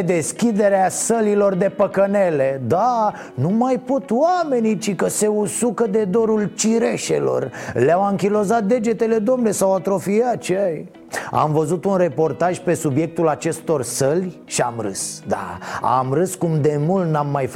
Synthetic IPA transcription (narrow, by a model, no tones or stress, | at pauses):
d̪e̞skʲid̪e̞ɾeasəlilo̞rd̪e̞pəkəne̞le̞d̪a | numajpo̞t̪wame̞nit͡ʃikəse̞usukəd̪e̞d̪o̞ɾult͡ʃiɾe̞ʃḛlo̞̰rleawaŋkʲilo̞zat̪̚d̪e̞d͡ʒe̞t̪e̞le̞d̪o̞mne̞sawat̪ɾo̞fijat̪̚t͡ʃeaj | a̰mvəzut̪unre̞po̞rt̪aʒpe̞subje̞k̚t̪ulat͡ʃe̞st̪o̞rsəlʲʃiamɾɨ̰sd̪a̰a̰mrɨskumd̪e̞mult̪namːajf